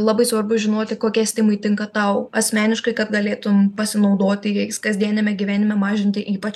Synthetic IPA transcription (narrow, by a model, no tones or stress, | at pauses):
lˠɑːbɐɪsʋɐrbʊʒʲɪnoːt̪ʲɪkoːkʲiɛsʲt̪ʲɪmɐɪt̪ʲɪŋkɐt̪ɐʊɐsʲmʲæːnʲɪʃkɐɪkɐt̪ɡɐlʲeːt̪ʊmpɐsʲɪnɐʊd̪oːt̪ʲɪjɛskɐzʲd̪ʲiɛnʲɛmʲɛɡʲɪʋʲæːnʲɪmʲɛmɑːʒʲɪnʲt̪ʲɪʔiːpɐt͡ʃ